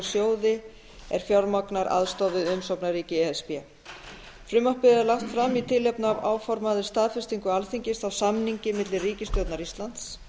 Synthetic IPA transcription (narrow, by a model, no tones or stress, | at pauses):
ɾsjoːwðɪ | ɛɾ̥fjɔɾmɔknaɾa̰ðst̪ɔðɪðʏmsɔwpnaɾiːcɪɛɛspɛ | fɾʏmahpɪðɪɛɾlaht̪fɾamːit̪ʰɪlːɛpnavaːwfɔɾmaðɪ̥st̪aːðfɛ̥st̪iŋkʏalθiɲcɪst̪awsamniɲcɪmɪt̪lɪriːcɪst̪œːt̪naɾist̪lant̪s